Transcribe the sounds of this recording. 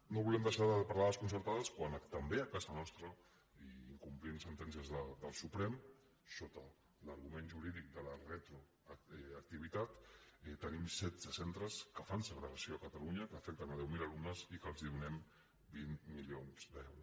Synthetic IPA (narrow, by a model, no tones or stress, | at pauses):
noβulɛmd̪əʃaðəpəɾlaðəskunsəɾt̪aðəskwant̪əmbeəkazənɔst̪ɾə | iiŋkumplinsənt̪ɛnsiəzðəd̪əlˠsupɾɛm | sot̪ə | ləɾɣumenʒuɾiðik̚d̪ələret̪ɾu | ək̚t̪iβit̪at̪ɛt̪ənimsɛd̪zəsɛnt̪ɾəskəfansəɣɾəɣasioəkət̪aluɲəkəːfɛk̚t̪ənað̞ɛwmilalumnəzikəlˠziðunɛm | binmiljonzd̪ɛwɾus